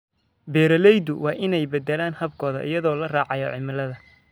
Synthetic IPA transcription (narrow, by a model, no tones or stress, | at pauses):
bɛːɾɐlɛjd̪ʊwʔɑːʔɪnɛjbɛd̪ɛlaːnhɐb̚kʰɔːðɐ̰ʔɪ̰jɐðɔːlɐraːʕɑjɔʕɪmɪlɐðɐ